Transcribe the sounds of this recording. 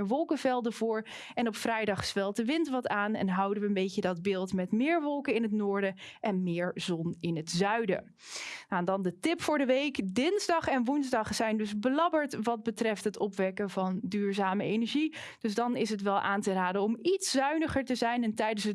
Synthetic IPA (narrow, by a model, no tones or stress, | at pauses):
əʋɔlˠkəvɛlˠdəvʊːɹ | ɛnɔpfrɛjdɑχsfɛlˠt̚dəʋɪntʋɑtaːnɛ̰nɦʌwdənʋəəmbejcədɑdbɪːlˠtmɛtmɪːɹʋɔlˠkəɪnɦətnʊːɹdəʔɛnmɪːɹzɔnɪnɦətzœɥdə̰ | naɛndɑndətɪpfʊːɹdəʋejkdɪnzdɑχɛnʋunzdɑχsɛjndɵzbəlɑbəɹtʋɑd̚bətrɛftɦətɔpʋɛkəvɑndyːɹzaːməejnɛɹʒid̥ɵzdɑnɪs̬ɦətʋɛlˠʔaːntəraːdəɔmitszœɥnəχəɹtəzɛjnɛntɛjdənsə